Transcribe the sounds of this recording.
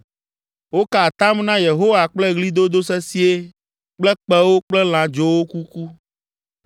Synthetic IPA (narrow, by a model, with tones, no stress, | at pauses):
wo˦ka˨t̪a˦mnã˦je˨ɦo˦wa˨k͡plɛ˦ɣli˦d̪o˦d̪o˦sɛ˦si˦e˦ | k͡plɛ˦k͡pɛ˦wo˦k͡plɛ˦l̃ã˨d͡ʒo˦wo˦ku˦ku˦